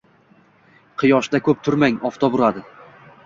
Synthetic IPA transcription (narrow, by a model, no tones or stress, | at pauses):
qʰɨjɒʃd̪akʰɵp̚t̪ʰʊɾmaŋɒft̪ʰɒbʊɾad̪ɪ